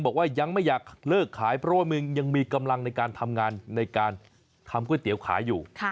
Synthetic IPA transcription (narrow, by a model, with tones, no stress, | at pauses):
ŋbɔː˨˩k̚waː˥˩ja˧ŋma˥˩jaː˨˩k̚lɤː˥˩kʰːaː˩˦jpʰɾɔ˦˥wa˥˩mɯ˧əŋja˧ŋmiː˧ka˧mla˧ŋna˧jkaː˧nt̪ʰa˧mŋaː˧nːa˧jkaː˧n | t̪ʰa˧mkʰu˥˩jt̪i˩˦əwkʰa̰ː˩˦jːuː˨˩˧